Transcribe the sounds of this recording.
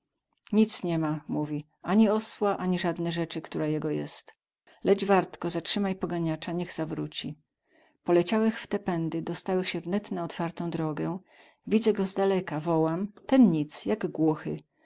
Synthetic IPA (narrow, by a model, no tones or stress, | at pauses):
ɲit̪sɲɛmamuvʲi | aɲiɔswaʔaɲiʐad̪nɛʐɛt͡ʂɘkt̪uɾajɛɡɔjɛ̰st̪ | lɛd͡ʐvaɾt̪kɔzatʂɘmajpɔɡaɲat͡ʂaɲɛɣzavɾut͡ɕi | pɔlɛt͡ɕawɛxft̪ɛpɛnd̪ɘd̪ɔst̪awɛxɕɛvnɛt̪naɔt̪faɾt̪ɔ̃w̃d̪ɾɔɡɛ | vʲid̪zɛɡɔzd̪alɛkavɔwamt̪ɛnɲit̪sjaɡɡwuxɘ